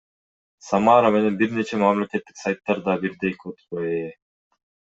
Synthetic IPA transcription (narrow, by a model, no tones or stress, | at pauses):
samɑɾame̞ne̞nbiɾne̞t͡ʃʰemamlʲe̞ke̞t̪ːi̥ksajt̪ːɑɾd̪ɑbiɾd̪ejkøt̪øee